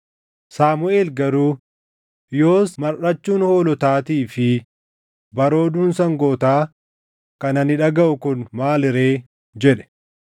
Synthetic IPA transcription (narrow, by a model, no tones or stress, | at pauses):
saːmʊʔeːlɡɐɾuː | jo̞ːsmɐɾʔɐt͡ʃːuːnho̞ːlɔt̪aːt̪iːfɪ | bɐɾo̞ːd̪uːnsɐŋɡoːt̪aː | kɐnɐnɪᶑɐɡɐʔʊkʊnmaːlɪɾe̞ː | d͡ʒɛᶑɛ̥